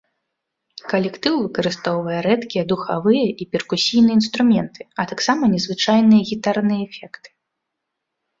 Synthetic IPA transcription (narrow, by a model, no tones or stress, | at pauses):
kɐlʲɛkt̪ɨwvɨkɐɾɨst̪ɔwvɐjɛɾɛt̪kʲijɐd̪uxavɨjɐʔipʲɛrkusʲijnɨjɛinst̪ɾumʲɛnt̪ɨ̥ɐt̪aksamɐnʲɛzvɨt͡ʂajnɨjɐɣʲit̪arnɨjɐɛfʲɛkt̪ɨ̥